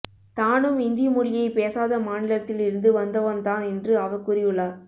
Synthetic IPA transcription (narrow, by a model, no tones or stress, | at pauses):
t̪aːnɯmɪnd̪ɪjmʊɽɪjɐɪpeːsaːðɐmaːnɪlɐt̪ːɪlɪɾɯnd̪ɯʋɐnd̪ɐʋɐnt̪ãːnɛndrɯɐʋɐkːʊɾɪjɯlːaː